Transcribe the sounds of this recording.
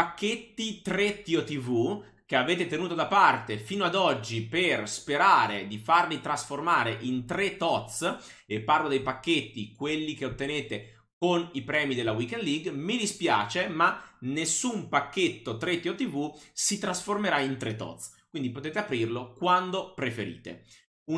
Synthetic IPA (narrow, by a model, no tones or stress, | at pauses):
pakːet̪ːit̪ɾet̪ːiot̪ivu | k̟eaveːt̪et̪enuːt̪od̪apart̪efiːnoad̪ɔd͡ʒːiperspeɾaːɾed̪ifarlit̪ɾasformaːɾeʔint̪ɾet̪ːɔt̪sepːarlod̪ejpakːet̪ːikwelːik̟eot̪ːeneːt̪e | konipɾɛːmid̪elːawikɛnd̪liɡmid̪ispja̰ːt͡ʃemanesːumpakːet̪ːot̪ɾet̪ːiot̪ːivusit̪ɾasformeɾaint̪ɾet̪ːɔ̰t̪skwind̪ipot̪eːt̪eapɾirlokwand̪opɾefeɾḭːt̪ḛ | u